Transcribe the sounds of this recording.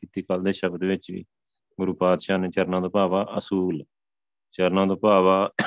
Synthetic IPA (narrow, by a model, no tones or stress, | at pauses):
kɪt̪iːkəld̪eːʃəbd̪ːʋɪt͡ʃḭː | ɡʊɾuːpaːd̪ʃaːneːt͡ʃəɾnãːd̪oːpaːʋaːʔəsuːl | t͡ʃəɾnãːd̪oːpaːʋaː